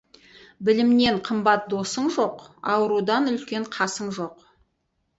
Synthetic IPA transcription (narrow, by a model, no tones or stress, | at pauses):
bɪlɪmne̞ɴqʰəmbɑt̪̚d̪o̞səɴʒo̞qɑ̰wəɾud̪ɑnʏlkʲe̞ɴqʰɑsəɴʒo̞q